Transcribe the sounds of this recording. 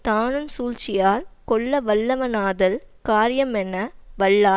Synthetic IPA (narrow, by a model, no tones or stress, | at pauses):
t̪aːnɯnsuːlt͡ʃɪjaːɾkɔɭːɐʋɐɭːɐʋɐnaːðɐlkaːɾjɐmɛnːɐʋɐɭːaː